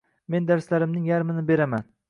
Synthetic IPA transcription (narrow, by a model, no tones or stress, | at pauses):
me̞nd̪aɾslaɾɪmnɪŋjaɾmɪnɪbe̞ɾaman